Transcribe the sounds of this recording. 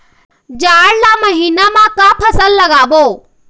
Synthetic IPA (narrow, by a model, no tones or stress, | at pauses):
d͡ʒaːɽlaməɦiːnamãkapʰəsəlːɐɡaːboː